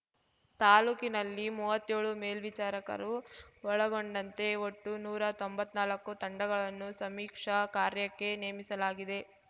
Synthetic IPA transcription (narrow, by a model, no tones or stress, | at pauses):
t̪aːluːkinɐlːimuːʋɐt̪ːeːɭumeːlʋit͡ʃaːɾɐkɐ̰ɾuɔɭɐɡoɳɖɐnt̪e̞oʈːunuːɾɐt̪o̞mbɐt̪ːnaːlɐkːut̪ɐɳɖɐɡɐɭɐnːusɐmiːkʂɐkaːɾjɐkːe̞neːmisɐlaːɡid̪e̞